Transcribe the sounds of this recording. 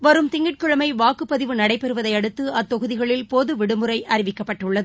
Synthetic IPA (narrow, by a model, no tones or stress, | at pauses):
ʋɐɾɯmt̪ɪŋɡɪʈ̚kɯɻɐmɐɪʋaːkɯpːɐðɪʋɯnɐɽɐɪpːɛɾɯʋɐðɐɪɐɽɯt̪ːɯɐt̪ːɔɣɯðɪɣɐɭɪlpoːðɯʋɪɽɯmɯɾɐɪʔɐɾɪʋɪkːɐpːɐʈːɯɭːɐðɯ